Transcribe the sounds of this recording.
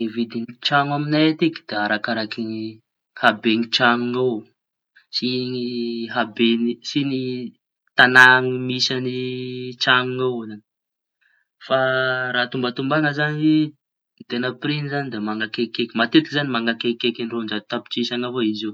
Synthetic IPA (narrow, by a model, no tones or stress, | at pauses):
evid̪iŋit͡ʃaŋaminat̪iki̥d̪̥eaɾakaɾakiŋi | habeŋiʈ͡ʂaŋuŋaw | siŋiɦabenisini | t̪anaŋimisanit͡ʃaŋuŋawozani̥ | faɾaːt̪umbət̪umbaŋəzani | t̪enəprinizanid̪emaŋakekekimat̪et̪ikizanimaŋakekekinirond͡ʒad̪t̪api̥t͡ʃisaŋavoizi